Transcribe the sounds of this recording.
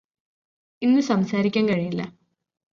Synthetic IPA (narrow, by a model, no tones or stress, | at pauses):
inːɨsɐmsaːɾikʲːaːŋkɐɻijilːɐ